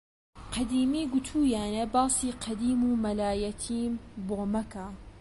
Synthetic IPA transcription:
qʰɐd̪iːmiːɡʊt̪ʰuːjaːnebɑːsiːqʰɐd̪iːmuːmɐlaːjɐt̪ʰiːmboːmɐkʰa

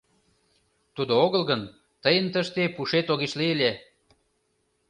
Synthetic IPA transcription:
t̪ud̪ooɣəlɣən | t̪əjənt̪əʃt̪epuʃet̪oɣiʃlielʲe

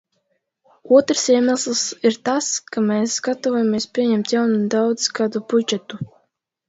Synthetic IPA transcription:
uɔt̪ɾsiɛmæslˠsiɾt̪askamɛsɡat̪ɔvɔjamʲiɛspʲiɛɲɛmt̪jawnud̪awd̪z̥kaːd̪ubud͡ʒɛt̪u

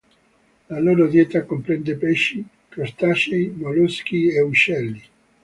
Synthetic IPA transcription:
laloːɾod̪jɛt̪akompɾɛnd̪epɛʃːi | kert̪at͡ʃejmolosk̟ieuʃːɛlːi

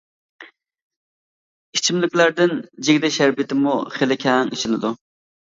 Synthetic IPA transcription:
it͡ʃʰimlɪkʲlæɾd̪ɪnd͡ʒeɡʲd̪ɛʃæɾbit̪ʰɪmuχelɪkʲʰɛŋiʃɪnɪd̪u

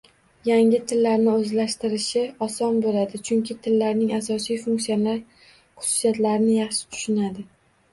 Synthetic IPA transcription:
jaŋɪt̪ʰɪlːaɾnɪɵzlaʃt̪ɪɾɪʃɪɒsɒnbolad̪ɪt͡ʃʰʊŋkʲʰɪt̪ʰɪlːaɾnɪŋas̬ɒsijfʊŋksijalaɾ | χʊ̥sʊ̥sijat̪laɾɪnɪjɑχʃɪ̥t̪ʰʊ̥ʃʊnad̪ɪ

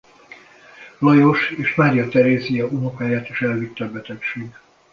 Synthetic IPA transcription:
lɒjoʃeːʃmaːɾijɒt̪ɛɾeːzijɒunokaːjaːt̪iʃɛlvit̪ːɒbɛt̪ɛkʃeːɡ

